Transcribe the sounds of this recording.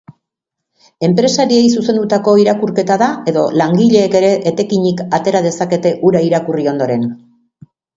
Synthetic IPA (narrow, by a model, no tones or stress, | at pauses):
e̞mpɾe̞saɾie̞jsuse̞nd̪ut̪ako̞iɾakuɾke̞t̪aðae̞ðo̞laŋɡiʎe̞ːke̞ɾe̞ʔet̪e̞kiɲikat̪e̞ɾað̞e̞sake̞t̪e̞ʔuɾaiɾakurio̞nd̪o̞ɾe̞n